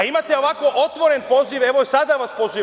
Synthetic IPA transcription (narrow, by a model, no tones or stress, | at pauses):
imat̪eo̞ʋakʋo̞ʔot̪ʋo̞ɾenpo̞ziʋeʋoisad̪aʋaspozi